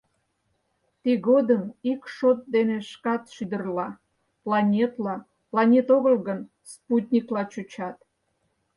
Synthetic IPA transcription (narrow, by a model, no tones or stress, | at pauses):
t̪iɣod̪əmikʃot̪̚d̪eneʃkɑt̪ʃyd̪ərlɑ | plɑnʲet̪lɑ | plɑnʲet̪oɣəlɣən | sput̪ʲnʲiklɑt͡ɕut͡ɕɑt̪